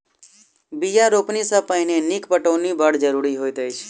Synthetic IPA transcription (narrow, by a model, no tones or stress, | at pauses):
bijaɾopnisəpəjnenikpəʈonibəɽd͡ʒəɾuɾiɦojt̪əjt͡ʃʰ